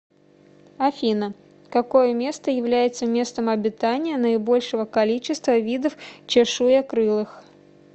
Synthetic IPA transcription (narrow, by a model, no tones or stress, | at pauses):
ɐfʲinə | kɐko̞jəmʲe̞st̪əjɪvlʲæjɪt̪səmʲe̞st̪əmɐbʲɪt̪anʲɪjənəɪbo̞lʲʂɨvəkalʲit͡ɕɪst̪vəvʲid̪əft͡ɕɛʂujɐkɾɨlˠɨx